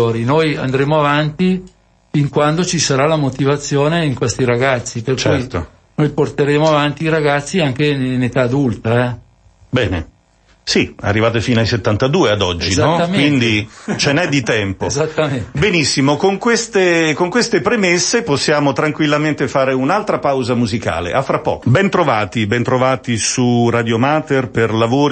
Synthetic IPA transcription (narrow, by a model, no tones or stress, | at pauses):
oːɾinoja̰nd̪ɾeːmoavant̪i | fiŋkwand̪ot͡ʃisaɾalamot̪ivat̪sːjoːneiŋkwest̪iɾaɡat̪sːiperkt͡ʃɛjt̪o̰ | nojport̪eɾeːmoavant̪iːɾaɡat̪sːiaŋk̟enet̪aːd̪ult̪aɛ | bɛ̰ːnḛ | sia̰rːivaːt̪efiːnoajset̪ːant̪ad̪uːead̪ɔd͡ʒːizaɔt̪ːamwind̪it͡ʃenɛd̪ːit̪ɛmpozat̪ːamenbenisːimokoŋkwest̪ekoŋkwest̪epɾemesːeposːjaːmot̪ɾaŋkwilːament̪efaːɾeunalt̪ɾapawzamuzika̰ːlḛʔafːɾapːɔ̰ːkobɛnt̪ɾovaːt̪ibɛnt̪ɾovaːt̪isurad̪jomat̪erperlavoːɾ